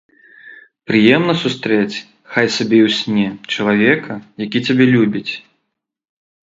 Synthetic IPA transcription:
pɾɨjɛmnɐsust̪ɾɛt͡sʲ | xajsabʲɛwsʲnʲɛt͡ʂɐlˠavʲɛkʰɐjakʲit͡sʲabʲɛlʲubʲit͡sʲ

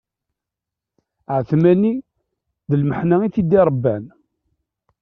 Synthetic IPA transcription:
ʕθmæni | ðəlməħnæiθid̪iɾˤəbːæn

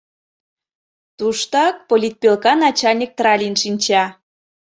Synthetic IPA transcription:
t̪uʃt̪ɑk̚polʲit̪̚pʲelkɑnɑt͡ɕɑlʲnʲik̚t̪rɑlʲinʃinʲt͡ɕɑ

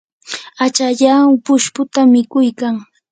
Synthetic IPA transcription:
at͡ʃaʎapʊʃpʊt̪amɪkʊjkaŋ

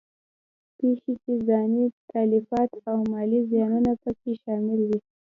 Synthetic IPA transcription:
pexekezɑnit̪ʰalifɑt̪awmɑlizjɑnunapəkeʃɑmɪlw̪i

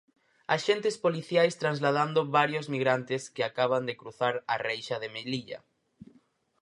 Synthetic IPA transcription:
aʃent̪espoliθjajst̪ɾanzlað̞and̪oβaɾjozmiɣɾant̪eskeakaβ̞and̪ekɾuθaɾarejʃaðemeliʎa̰

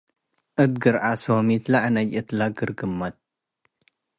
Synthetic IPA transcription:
ʔɨd̪ɡɨɾʕasomit̪laʕnɐd͡ʒɨt̪laɡɨɾɡɨmːɐt̪̚

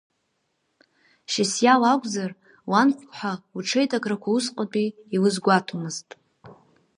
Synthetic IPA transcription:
ʃasjawakʷʼzar | wanχʷħʷauʈ͡ʂʰejtʼakʰʼrakʷʰausqʼapʼiːlɨzɡʷatʰomɨztʼ

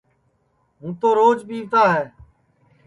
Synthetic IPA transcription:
ɦũːt̪oːɾoːd͡ʒpiːʋt̪aːɦɛː

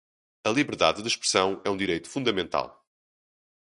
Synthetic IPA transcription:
ɐlˠiβɨɾða̰ððɨʃpɾɨsɐ̃w̃ɛũd̪iɾejt̪u̥fũnd̪ɐmẽnt̪a̰lˠ

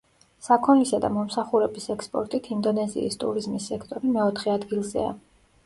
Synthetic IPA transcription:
sakʰɔnlisad̪a̰mɔmsaχuɾɛbisɛkspʼɔ̰ɾt̪ʼit̪ʰind̪ɔnɛzḭḭst̪ʼṵɾizmisːɛkʰt̪ʼɔɾimɛɔt̪ʰχɛad̪ɡilˠzɛ̰a̰

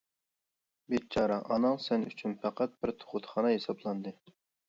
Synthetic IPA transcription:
bet̪̚t͡ʃʰɑɾɑʔɑnɨŋsɛny̰t͡ʃʰynpʰæqʰæt̪̚b̥ɪɾt̪ʰo̥χʊt̪χɑnɑɦesɑblˠɑnd̪ɨ

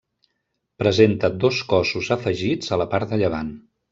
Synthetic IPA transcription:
pɾəzent̪əd̪oskɔsuzəfəʒid͡zələpaɾt̪d̪əʎəβ̞a̰n

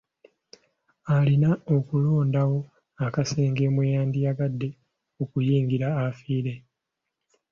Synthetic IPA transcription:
alinaokulo̞ːndawo̞ | akase̞ːŋɡe̞ːmwejaːnd̪iaɡadːe̞ | okujiːŋɡiɾaːfiːɾe̞

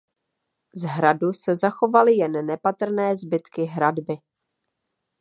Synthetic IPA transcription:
zɦɾadusɛzaxo̞valɪjɛnːɛpat̪r̩nɛːzbɪt̪kɪɦɾadbɪ

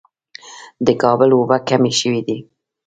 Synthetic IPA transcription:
d̪əkɑbəlwobakameʃəwid̪i

